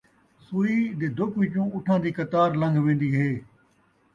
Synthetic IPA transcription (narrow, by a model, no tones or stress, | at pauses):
suːiːd̪eːd̪okʋiːt͡ʃũːʊʈʰãːnd̪iːkət̪aːɾlə̃ŋɡʱʋẽːnd̪iːɦeː